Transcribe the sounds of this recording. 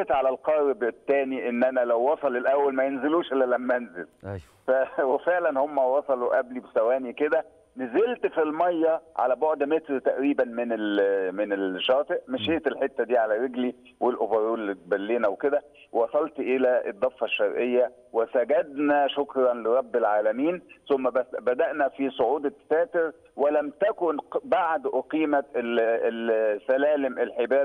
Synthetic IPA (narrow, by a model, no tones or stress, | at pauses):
t̪ʕalælqɑɾbet̪ːæːniʔenːʔænælæwːɑsˤɑlelʔæwːælmæjenzeluːʃʔelːælæmːæʔænzelj | fæwefeʕlænhomːæwɑsˤɑluʔæblibesæwæːniked̪æ | nezelt̪filmɑjːɑʕa̰læboʕd̪met̪ɾt̪æʔɾiːbænmenelmenelʃɑːt̪ˤeʔmeʃeːt̪elħet̪ːæd̪iːʕalæɾeɡli | welʔobɑɾˤuːlt̪̚bælːiːnæwked̪æ | wwɑsˤɑlt̪ʔelæʔḛd̪ˤːɑfːɑʃːɑɾˤʔejːæ | wesæɡæd̪næʃokɾˤɑnleɾˤɑbːelʕaːlæmiːnsʊmːæbæd̪æʔnæfisˤoʕuːd̪sæːt̪ɪɾ | welæmt̪ækʊnbaʕd̪ʔoqiːmæt̪e | sælæːlemʔelħebæːd̪